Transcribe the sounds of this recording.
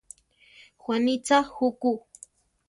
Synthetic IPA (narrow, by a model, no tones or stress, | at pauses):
xwanit͡sahuku